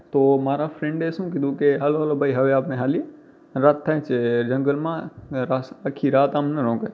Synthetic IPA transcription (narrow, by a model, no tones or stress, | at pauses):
t̪oːmaːɾafɾẽɳɖeːsũːk̬id̪uːkeɦɐloɦɐlobʱɐiɦɐʋeaːpnẽɦaːlie | ɾaːt̪ʰːãɦt͡ʃed͡ʒɐ̃ŋɡəlmãɾasɐkʰːiɾaːt̪aːmnɐɾõːkə